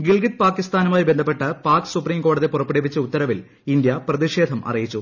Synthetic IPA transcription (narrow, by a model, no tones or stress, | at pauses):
ɡiɭɡit̪̚paːkːist̪aːnumaːjibe̞nd̪ʱɐp̬ːe̞ʈːɐpaːksupriːmko̞ːɽɐðepurɐpːiɽep̬ːit͡ɕːɐut̪ːɐɾɐʋil | ind̪jɐprɐðiʂe̞ːd̪ʱɐmʔɐ̰rijit͡ɕːu